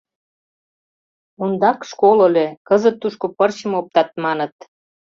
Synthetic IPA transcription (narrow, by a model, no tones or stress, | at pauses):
und̪ɑkʃkolə̆lʲekəzət̪ːuʃkopərt͡ɕə̆mop̚t̪ɑt̪̚mɑnət̪̚